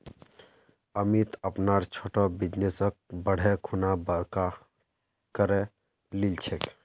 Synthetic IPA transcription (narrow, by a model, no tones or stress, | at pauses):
əmit̪əpnaɾt͡ʃʰoʈɔbid͡ʒnesək̚bəɽ̤ʱɛkʰunabəɾka | kəɾɛ | lilt͡ʃʰek